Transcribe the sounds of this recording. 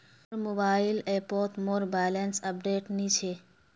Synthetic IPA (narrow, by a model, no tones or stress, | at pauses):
ɾmoːbaːɪleːɾpoːɾt̪moːɾbaːlensəp̚ɖeːʈnit͡ʃʰe